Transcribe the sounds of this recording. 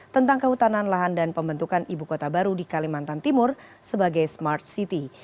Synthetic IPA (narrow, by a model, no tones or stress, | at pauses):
t̪ənt̪aŋkəhut̪ananlaɦandanpəmbənt̪ukanʔibukot̪abaɾudikalimant̪ant̪imʊr | səbaɡajsmart̪̚sit̪i